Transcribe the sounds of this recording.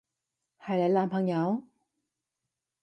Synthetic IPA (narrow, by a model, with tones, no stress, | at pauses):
hɐ˨jlɐ˨˥jlaː˨˧mpʰɐ˨˩ŋjɐ˨˧˥w